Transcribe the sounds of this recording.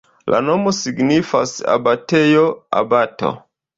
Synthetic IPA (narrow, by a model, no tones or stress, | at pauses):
lʔa̰nomosiɡnifa̰sa̰batejoa̰bato̰